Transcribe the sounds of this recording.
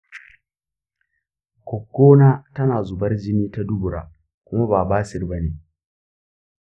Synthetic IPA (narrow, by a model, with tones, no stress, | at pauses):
kʷɔ˨kːoː˦naː˦tɐ˦naː˨zʊ˨bɐ˦rd͡ʒɪ˦niː˦ta˦dʊ˦bʊ˨ɾa̰ː˨ | kʷʊ˦ma˦baː˨baː˦sɪ˦rbɐ˦neː˨